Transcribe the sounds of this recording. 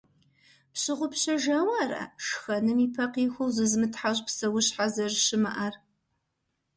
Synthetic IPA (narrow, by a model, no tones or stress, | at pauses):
pɕɪʁʷʊpɕɐʒaːwaːrɐ̰ʂxɐnɨmiːpʰɐqiːxʷɐwzɨzmɨtʰħaʑʼpsɐwʊɕħazɐʒɕɪmɐʔar